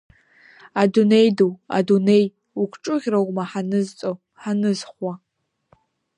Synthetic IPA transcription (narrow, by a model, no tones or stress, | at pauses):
adune̞jduwa̰dune̞j | ukʷʰʈ͡ʂʼʊʁʲrawmaħanɨzt͡sʼo | ħanɨzχwa